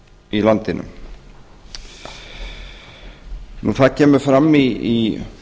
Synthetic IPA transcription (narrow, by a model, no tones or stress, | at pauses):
ilant̪ɪnʏ̰m | nuθacʰɛːmʏfɾamːii